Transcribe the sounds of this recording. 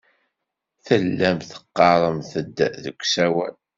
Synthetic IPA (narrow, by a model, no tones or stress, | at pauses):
θəlːæmθə̥qːɑɾˤəmθəd̪ːðəkʷːsæwæ̰l